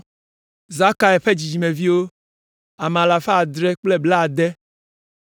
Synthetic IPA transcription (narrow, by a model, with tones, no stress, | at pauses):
za˦ka˨ɛ˨ɸe˦d͡ʑi˨d͡ʑi˨mẽ˨vi˦wo˦ | a˨m˨a˨la˨fe˦a˨d̪ɾɛ˦k͡plɛ˦bla˦a˨d̪ɛ˦